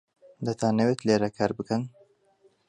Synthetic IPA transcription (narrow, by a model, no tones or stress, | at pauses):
d̪ɐt̪ʰaːnɐwet̪leːɾɐkʰaːɾbɨkɐn